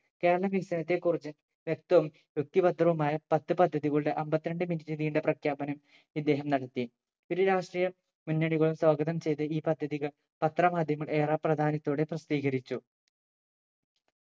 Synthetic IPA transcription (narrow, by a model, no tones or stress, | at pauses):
ke̞ːɾɐɭɐʋiksɐnɐt̪̬ːe̞kːurit͡ɕːɨ | ʋjek̚t̪ɐʋɐm | jjok̚t̪ibɐd̪ʱrɐʋɐmaːjɐpɐt̪ːɨpɐd̪ʱːɐðiɣɐɭuɽeʔɐmbɐt̪ːɾɐɳɖɨminutːiðijuɳɖe̞prɐkʰjaːpɐnɐm | id̪ːe̞ːɦɐmnɐɽɐt̪ːi | oɾuɾaːʂʈrijɐ | munːɐɽiɣɐɭumswaːɡɐðɐmt͡ɕe̞jt̪ɨiːpɐd̪ʱːɐðiɣɐɭ | pɐt̪rɐmaːd̪ʱjɐmɐɭeːraːprɐd̪ʱaːnɐt̪ːoːɽe̞prɐst̪iːɣɐɾit͡ɕːu